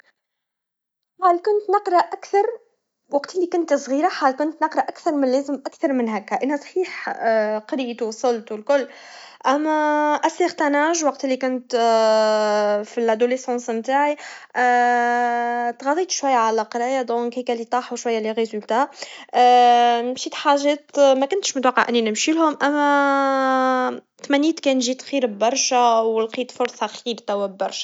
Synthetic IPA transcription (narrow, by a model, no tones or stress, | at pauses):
ħaːlkʊnt̪nəqɾˤɑʔækθɑɾˤ | wɑqt̪ɪlːikʊnt̪sˤɣiːɾaħaːlkʊnt̪nɑqɾˤɑʔækθɑɾˤmɪnleːzəmʔækθɑɾˤmɪnɦækːæʔɪnhæsˤħiːħqɑɾiːt̪usˤəlt̪wlkʊlː | ʔæmːæʔæsiqt̪ænaːʒwɑq̚t̪lːikʊnt̪ | filʔad̪olesɑ̃ːnsmt̪aːʕi | t̪ɣɑd̪ˤiːt̪ʃwæjːæʕalæqɾɑjæd̪ˤɔ̃ːkhikælit̪ˤɑːħuʃwæjːæliɣezʊlt̪æ | mʃiːt̪ħaʒɛːt̪mækʊnt̪ʃmʊt̪wɑqːə̰ʕʔɪnːinəmʃilhʊmʔæmːæ | t̪mæniːt̪kɛːnʒiːt̪xiːɾbbɑɾˤʃæwəlqiːt̪fʊɾˤsˤɑxiːɾt̪æwːæbbɑɾˤʃæ̥